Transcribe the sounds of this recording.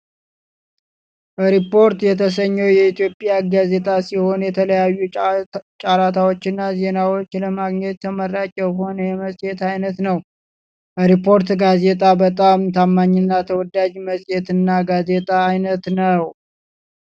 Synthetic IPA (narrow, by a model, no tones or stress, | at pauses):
ɾipo̞ɾt̪jɛt̪ʰəs̬əɲːəwjɛit̪jo̞pʼjaɡaze̞t̪ʼasiho̞njɛt̪ʰələjajːut͡ʃʼaɾat̪ʰawot͡ʃːɪnːaze̞nawot͡ʃːləmaɡɲɛt̪̚t̪ʰəmərat͡ʃʼɛwho̞nəjɛməsʼjet̪ajnət̪nəw | əɾipʰːo̞ɾt̪ɡaze̞t̪ʼabət̪ʼamt̪ʰamːaɲːɪnːat̪ʰəwɔd̪ad͡ʒməsʼjɛt̪ɨnːaɡaze̞t̪ʼaːjnət̪nəw